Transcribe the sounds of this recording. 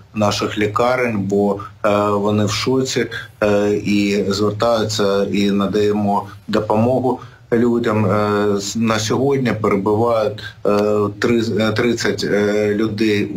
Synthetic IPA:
nɑʃɪxlʲikɑɾɪnʲbɔ | ʋɔnɪwʃɔt͡sʲi | izʋert̪ɑjʊt͡sʲːɐinɐd̪ɐjemɔd̪ɔpɔmɔɦʊ | lʲudʲɐm | nɐsʲɔɦɔdʲnʲipeɾebʊʋɑjʊtʲ | t̪ɾɪt̪ɾɪt͡sʲːɐtʲlʲʊd̪ɛj

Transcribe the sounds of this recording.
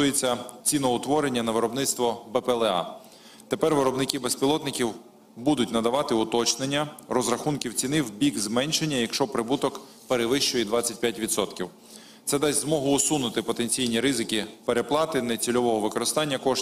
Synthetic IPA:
ujet͡sʲːɐt͡sʲinɔʊt̪ʋɔɾenʲːɐnɐʋɪɾɔbnɪt̪st̪ʋɔbɛpɛlˠɛɑ̰ | t̪e̞pɛrʋɪɾɔbnɪkʲibespʲilˠɔt̪nɪkʲiw | bud̪ʊtʲnɐd̪ɐʋɑt̪ɪʊt̪ɔt͡ʃnenʲːɐrɔzɾɐxunkʲiwt͡sʲinɪwbʲiɡzmɛnʲʃenʲːɐjɐkʃt͡ʃɔpɾɪbut̪ɔk | peɾeʋɪʃt͡ʃɔjid̪ʋɑt͡sʲɐt̚ʲpʲjatʲʋʲit̪sɔt̪kʲiw | t̪sɛd̪ɛzʲzmɔɦʊːsunʊt̪ɪpɔt̪e̞nʲt͡sʲijnʲiɾɪzɪkʲipe̞ɾeplˠɑt̪ɪnɛt͡sʲilʲɔʋɔɦɔʋɪkɔɾɪst̪ɑnʲːɐkɔʃ

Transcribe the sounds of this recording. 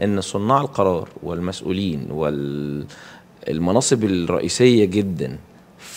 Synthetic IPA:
ʔenːsˤonːɑːʕelqɑɾˤɑːɾˤwɪlmæsʔṵːliːnwel | lmɑnɑːsˤɨbelɾˤɑ̰ʔiːsejːæɡɪd̪ːæn

